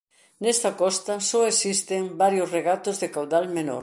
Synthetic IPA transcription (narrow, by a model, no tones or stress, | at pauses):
nɛst̪ɐkɔst̪ɐsɔesist̪eŋbaɾjʊsreɣat̪ʊzðekawðalmeno̰ɾ